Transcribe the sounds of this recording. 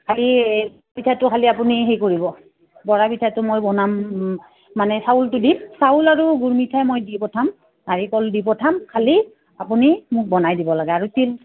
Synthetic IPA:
kʰalibɔɹabitʰatʊkʰaliapuniɦejkoɹibɔ | bɔɹabitʰatʊmojbɔnamː | anɛsaultʊdim̚saulaɹuɡuɹmitʰajmojdipɔtʰam | naɹikɔldipɔtʰamkʰali | apunimʊk̚bɔnajdibɔlaɡɛaɹutil

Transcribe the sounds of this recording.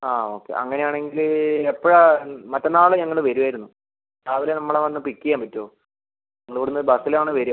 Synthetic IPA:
aːo̞ːkːe̞̰ʔɐ̰ŋːɐnejaːɳe̞ŋɡilepːɐɻɐmɐtːɐnaːɭɨɲɐŋːɐɭɨʋɐɾuʋaːjiɾunːu | t͡ɕaːʋilenɐmːɐɭeʋɐnːɨpikːiɐjaːmpɐtːoː | ɲɐŋːɐɭoɽunːɐɨbɐsilaːɳɨʋɐɾu

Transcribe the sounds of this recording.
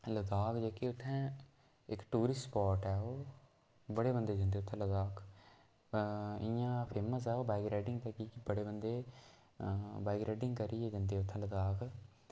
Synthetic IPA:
ləd̪aːkd͡ʒeːkeːʊt̪ʰːɛ̃ː | ɪkʈuːɾɪspɔːɾʈɛːoː | bəɽeːbənd̪eːd͡ʒə̃nd̪eːʊt̪ʰːɛ̃ːləd̪aːk | ɪjãːpʰeːməsɛːoːbaːɡɾɛːɖɪŋɡt̪eːkiːkɪbəɽeːbənd̪eː | baːɪɡɾɛːɖɪŋɡkəɾiːeːd͡ʒə̃nd̪eːʊt̪ʰːɛ̃ːləd̪aːk

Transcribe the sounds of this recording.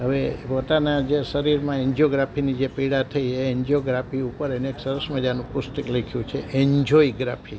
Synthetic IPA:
ɦəʋepot̪anad͡ʒeʃəɾiɾmãeɲd͡ʒoɡɾapʰinid͡ʒepiɽat̪ʰəieeɲd͡ʒoɡɾapʰiupəɾəneksəɾəsməd͡ʒanũpʊst̪əklekʰjũt͡ʃʰeʔeɲd͡ʒoiɡɾa̰pʰi

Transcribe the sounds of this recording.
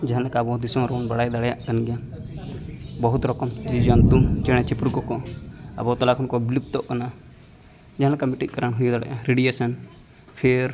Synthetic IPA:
d͡ʒɛɦãnlakaːbɔd̪isɔ̃ɾɔwnbaɽajd̪aɽɛjaʔkanɡɛja | bɔɦut̪ɾɔkɔmd͡ʒid͡ʒɔnd̪ut͡ʃɛɽ̃ɛt͡ʃipɾukɔkɔa̰bɔt̪ɔlakʰɔnkɔbilip̚t̪ɔʔkana | d͡ʒaɦãlakamiʈit̪̚kaɾanɦujɔd̪aɽɛ̰jãɾeɖijesan | pʰeɾ

